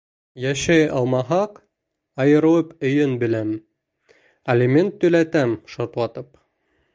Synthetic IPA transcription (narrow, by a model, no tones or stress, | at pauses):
jæʃæjɑlˠmɑɦɑq | ɑjɤ̆ɾɤ̆wɤpɵ̆jɵnbɘ̆læm | ɐlʲiment̪ːɵ̆læt̪æmʃoɾt̪lˠɑt̪ɤp